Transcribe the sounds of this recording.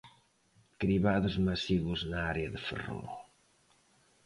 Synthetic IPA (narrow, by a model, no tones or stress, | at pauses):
kɾiβaðəzmasiɣuznaaɾeaðəfə̰ro̰